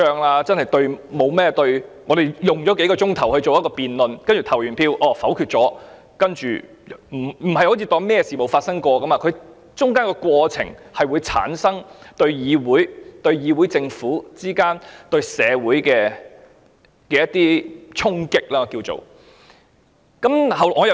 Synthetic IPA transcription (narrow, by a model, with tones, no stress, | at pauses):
œː˧ŋlaː˧t͡sɐ˥nhɐ˨˩jt̪ɵ˧ɥmo˨˧wmɛː˥t̪ɵ˧ɥŋɔː˨˧ɾe˨˩jjʊ˨ŋt͡ʃɔ˨˥ke˨˥jkɔː˧t͡sʊ˥ŋt̪ʰɐ˨˩whɵ˧ɥt͡ʃo˨wjɐ˥t̚kɔː˧piː˨nlɵ˨nkɐ˥nt͡ʃy˨t̪ʰɐ˨˩wjyː˨˩npʰiː˧wʔɔː˨˧˩fɐ˨˥wkʰyː˧t̚t͡sɔː˨˥ | kɐ˥nt͡ʃy̰ː˨˩ | m̩˨˩m̩˨˩hɐ˨jho˨˥wt͡sʰiː˨˧t̪ɔː˧ŋmɛː˥jɛ˧siː˨˩mo˨wfaː˧t̚sɐ˥ŋkʷɔː˧kɐ˥maː˧kʰɵ˨˧ | t͡ʃʊ˥ŋkaː˥nkɛː˧kwɔː˧t͡sʰɪ̰˨˩ŋhɐ˨jwuː˨˧jt͡sʰa̰ː˨˥nsɐ˥ŋt̪ɵ˧ɥjiː˨˧wuː˨˥jt̪ɵ˧ɥjiː˨˧wu˨˥jt͡sɪ˧ŋfuː˨˥t͡siː˥kaː˥nt̪ɵ˧ɥsɛː˨˧wuː˨˥jkɛː˧ | kɛː˧jɐ˥t̪̚iː˥t͡sʰʊ˥ŋkɪ˥k̚laː˥kiː˧wt͡so̰˨˩w | kɐ˨˥mhɐ˨ŋɔː˨˧˨